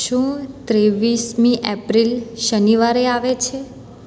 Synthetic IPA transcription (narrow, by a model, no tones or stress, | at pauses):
ʃũt̪ɾeʋismĩʔepɾilʃəniʋaɾeaʋet͡ʃʰe